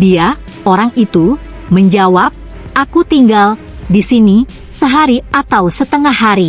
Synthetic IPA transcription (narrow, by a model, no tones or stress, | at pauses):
dia | oɾaŋit̪u | məɲd͡ʒawap̚ | ʔakut̪iŋɡal | disini | səɦaɾiat̪awsət̪əŋahːaɾi